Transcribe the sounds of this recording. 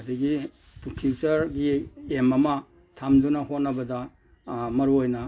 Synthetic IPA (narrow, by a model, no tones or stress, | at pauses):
diɡi | tukʰiwt͡ʃɐɾɡiemɐmɐ | tʰamdunɐɦot̚nɐbɐdɐ | mɐɾuojnɐ